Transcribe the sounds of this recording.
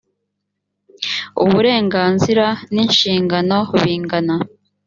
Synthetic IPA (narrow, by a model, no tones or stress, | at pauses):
ṵβuɾe̞ːŋɡaːnziɾaninʃiːŋɡano̞βiːŋɡana